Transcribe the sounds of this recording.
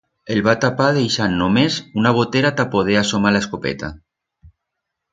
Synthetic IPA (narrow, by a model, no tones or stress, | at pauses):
elβat̪apaðejʃanːomezunaβ̞ot̪eɾat̪apoðeasomalaeskopḛt̪a